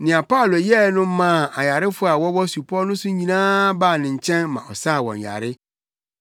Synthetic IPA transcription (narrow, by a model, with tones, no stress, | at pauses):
nɪ̃˨a˨pa˦ʊ˨lo˨jɛ˦nʊ̃˦m˦mã˦˨a˨ja˨ɾɪ˦fʊ˦a˨wɔ˦wɔ˦su˨pʰɔ˦nʊ̃˦sʊ̃˦ɲĩ˨nãː˦baː˦˨nɪ̃˨ɲ̩˨t͡ɕʰɛ̃˦nmã̰˨ʔɔ˨sa˦˨wɔ̰̃˨ɲja̰˨ɾɪ˦